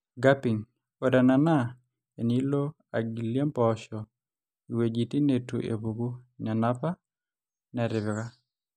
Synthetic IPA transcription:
ɡa˦pi˨ŋ | kɔ˨da˨na˨na˦ | e˨ni˦lo˦ | a˨ɡi˨lje˦mpɔʃɔ | i˨we˨d͡ʒi˨ti˦ne˨tu˨ʔḛ˨bu˨ku˦ɲa˨na˦pa˦ | nɛ˨ɾɪ˨βɪ˨ka˦

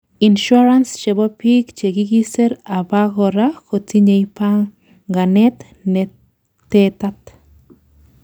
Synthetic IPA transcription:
inʃu˦ɾanst͡ʃe˨bo˦pikt͡ʃe˨ɡi˦ɡi˦se˦ɾa˨ba˦ɣo˧ɾaxo˨t͡si˦ɲe˧jpaŋ | ɡa˨ne˦t̪ | ne˧ | t̪e˦t̪at̪

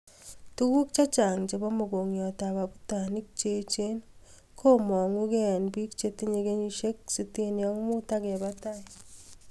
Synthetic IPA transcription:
tu˦ku˦k̚t͡ʃa˦t͡ʃa˨ŋt͡ʃe˨bɔ˦mo˨ɡo˨ŋjɔ˨ta˨βa˨bu˦ta˨ni˦k̚t͡ʃe˦t͡ʃe˦n | kʰo˦mɔ˨ŋu˦kɛ˦˨nbi˦kt͡ʃe˦ti˦ɲe˨ɡe˦ɲi˦ʃe˦k̚si˦te˦njɔ˦ŋ˦mu˦ta˦kɛ˨bata˦i˨

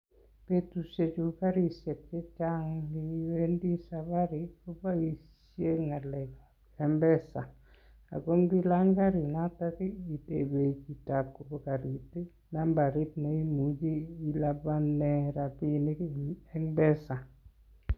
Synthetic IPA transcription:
pe˦tu˨se˨t͡ʃu˨ka˦ɾi˦sjɛ˨t̚ke˦t͡ʃa˦ŋli˦we˦ndi˦sa˨ba˦ɾi˨ko˦ba˦i˨sje˦ŋa˨lɛ˨k | ɛ˦mbɛ˦sa˨ | a̰˨ko˦ŋbi˦la˦ŋɡa˦ɾi˨na˦ta˦ki˦i˨te˨be˨ki˨ta˨ko˨bo˦ka˨ɾi˨ti˦ | na˦mba˨ɾi˦t̚na˨i˦mu˨d͡ʒiː˦la˦ba˦nɛ˦ɾa˨pi˦ni˦ɛ˦ŋbɛ˦sa˨

